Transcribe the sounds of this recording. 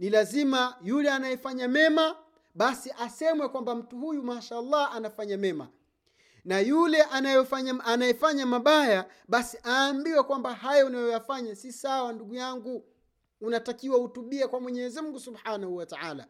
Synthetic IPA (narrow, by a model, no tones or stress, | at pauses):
nilazimajulɛanajɛfaɲamɛma | ɓasiʔasɛmwɛkwambam̩tuhujumaʃaːlːɑanafaɲamɛma̰ | najulɛʔanajɔfaɲaanajɛfaɲamaɓaja | ɓasiʔaːmbiwɛkwambahajɔunajɔjafaɲasisawanduɡujaŋɡuː | natakiwahutuɓiakwamwɛɲɛzimm̩ɡusubħanahuwataaːla̰